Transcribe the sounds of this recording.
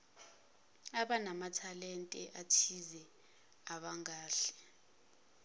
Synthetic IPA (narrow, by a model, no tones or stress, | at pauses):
aɓanamatʰalɛntʼɛʔatʰizɛ | aɓaŋaːɬɛ̥